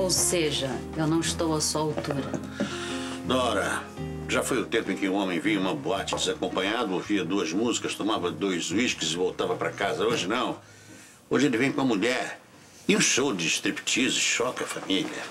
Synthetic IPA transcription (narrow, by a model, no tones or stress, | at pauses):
owseʒɐ | ewnɐ̃w̃iʃt̪owɐsɐawt̪uɾɐ | d̪ɔɾɐ | ʒafojʊt̪ẽmpʊẽkɪũõmẽj̃viɐũmɐboat͡ʃɪd͡ʒɪzakõmpɐ̃ɲad̪ʊoviɐd̪uɐzmuzikɐst̪omavɐd̪ojzzuiʃkɪzɪvowt̪avɐpɾɐkazɐoʒɪnɐ̃w̃ | oʒɪelɪvẽj̃kõɐmuʎɛɾ | ɪũʃowd͡ʒɪːʃt̪ɾipi̥t͡ʃizʊɪʃɔkɐfamiliɐ